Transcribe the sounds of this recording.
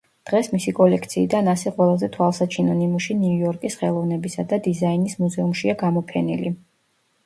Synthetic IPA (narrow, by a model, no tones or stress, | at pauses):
d̪̥ʁɛsmisikʼɔlɛkʰt̪sʰiːd̪anasɛqʼwɛlˠazɛt̪ʰwalˠsat͡ʃʰinɔnimuʃiniujɔɾkʼisχɛlˠɔvnɛbisad̪ad̪izainismuzɛumʃiaɡamɔpʰɛnḭli